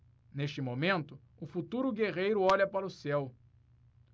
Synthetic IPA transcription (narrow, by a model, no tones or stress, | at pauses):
neʃt͡ʃɪmomẽnt̪ʊ | ʊfut̪uɾʊɡeʁejɾʊɔʎɐpaɾʊsɛw